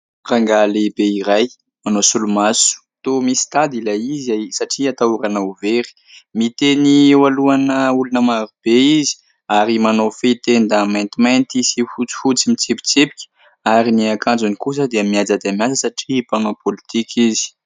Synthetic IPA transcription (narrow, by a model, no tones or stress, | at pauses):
raŋɡalebeiɾaj | manosulumasu̥t̪omisi̥t̪ad̪ilaizajsaʈ͡ʂiat̪auɾanauveɾi̥ | mit̪eniewaluanəulunəmaɾub̥eizi̥ | aɾimanofet̪end̪amajnt̪imant̪isifut͡si̥fut͡simit͡sepi̥t͡sepi̥kʲə̥ | aɾiniakand͡zunikus̬əd̪eamiad͡zad̪eamiad͡zəsaʈ͡ʂipanapolit̪ikʰizi̥